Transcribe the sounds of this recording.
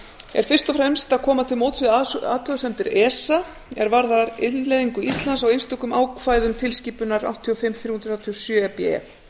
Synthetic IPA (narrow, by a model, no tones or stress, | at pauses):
ɛ̰ɾ̥fɪr̥st̪ɔfɾɛmst̪aðkʰɔːmat̪ʰɪlmowt̪sɪða̰ːt̪lœɣsɛmt̪ɪɾɛːsa | ɛ̰ɾvaɾðaaɾɪnlejðiŋkʏist̪lansawejnst̪ɔkʏmaːwkfaːjðʏmt̪ʰɪlsciːpʏnaɾa̰wht̪ʰːiɔfɪmːθɾuːhunɾawt̪ʰiɔsjœːɛpɛɛ̰